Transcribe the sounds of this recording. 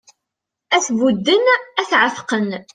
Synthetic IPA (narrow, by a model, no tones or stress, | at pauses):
æθvud̪ːənæθʕəfqən